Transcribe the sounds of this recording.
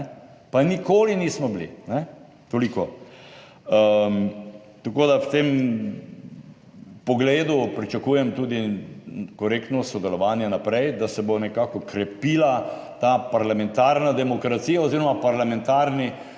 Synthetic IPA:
panikoːliniːsmɔblḭnɛ | t̪oliko | ə | t̪akoːd̪awt̪em | pɔɡleːd̪upɾit͡ʃakuːjɛmt̪uːd̪i | kɔɾekt̪nɔsɔd̪ɛlɔʋaːnjɛnapɾɛjd̪asɛbonɛkaːkɔkɾɛpiːlat̪aːpaɾlamɛnt̪aːɾnad̪ɛmɔkɾat̪siːjaoziːɾɔmapaɾlamɛ̃nt̪aːɾni

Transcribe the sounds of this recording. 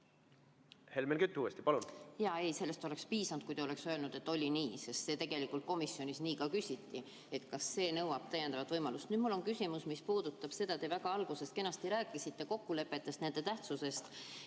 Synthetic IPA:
he̞lmenkyt̪ʲːˑuːest̪i̥pɑlunjɑe̞jse̞lːe̞st̪o̞le̞kspiːsɑnd̪̥kujt̪eole̞ksøːlnud̪̥e̞t̪ːˑo̞lʲiniːse̞st̪se̞ːt̪eɡ̥e̞likˑult̪̚ko̞misːjo̞nisniːkɑkysʲit̪ːi | e̞t̪kɑsːe̞ːnɤwɑb̥̚t̪æjend̪ɑvɑt̪vɤjmɑlust̪nyːd̪̥mulːo̞nkysʲimusmispuːd̪ut̪ːɑb̥se̞d̪̥ɑt̪e̞væɡ̥ɑɑlɡ̥use̞st̪̚ke̞nːɑst̪iɾæːkːˑisit̪ːe̞ko̞kːule̞pːe̞t̪ːˑe̞st̪ne̞nd̪̥e̞t̪æht̪suse̞st̪

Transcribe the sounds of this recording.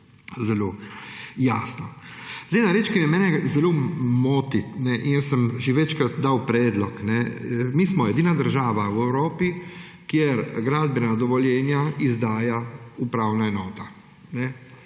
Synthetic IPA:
zɛlo | jaːsnazd̪ejnaɾeːt͡ʃkimjɛmɛːnɛzɛlomoːt̪it̪nɛʔinjɛsəmʒiʋɛt͡ʃkat̪d̪awpɾɛːd̪lɔknɛmiːsmɔjɛd̪iːnad̪əɾʒaːʋawɛwɾoːpi | kjɛɾɡɾaːd̪bɛnad̪ɔʋɔljɛːnjaizd̪aːjaupɾaːwnaenoːt̪a | nɛ

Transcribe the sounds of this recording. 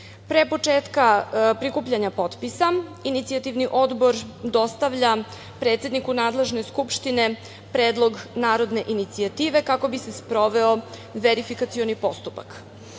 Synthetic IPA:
pɾepo̞t͡ʂeːt̪kapɾikuːpʎaɲapo̞t̪pisainit̪siat̪iʋniʔo̞d̪bo̞ɾd̪o̞st̪aʋʎa | pɾe̞ːt̪se̞d̪nikunaːd̪le̞ʒne̞skupʃt̪ine̞ | pɾeːd̪lˠo̞ɡnaːɾo̞d̪ne̞ʔinit̪siat̪iːʋe̞kako̞bisespɾo̞ʋe̞o | ʋeɾifikat̪sio̞nipo̞st̪upa̰k

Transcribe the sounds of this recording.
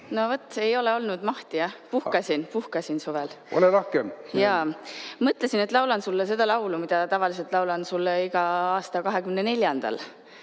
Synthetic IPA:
no̞vot̪ːˑe̞jo̞leo̞lnud̪̥mɑht̪ijɑhpuhkɑsʲinpuhkɑsinsuvel | o̰leɾohkemjɑ | mɤt̪ˑlesine̞t̪ːˑlɑwlɑnsulːes̬e̞d̪̥ɑlɑwlumid̪̥ɑt̪ɑvɑlis̬e̞lt̪ˑlɑwlɑnsulːeiɡ̥ɑɑːst̪ɑkɑɦe̞kymnene̞lʲjɑnd̪̥ɑ̰l

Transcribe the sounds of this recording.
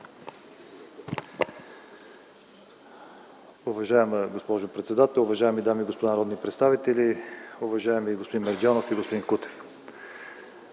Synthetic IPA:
ʊvɐʒaɛməɡospɔʒopɾɛt̪sɛd̪at̪ɛlˠʊvɐʒaɛmid̪amiːɡospod̪anɐɾɔd̪nipɾɛt̪st̪avit̪ɛliʊvɐʒaɛmiɡospod̪inmɛɾd̪ʲjanofiɡospod̪inkut̪ɛ̥f

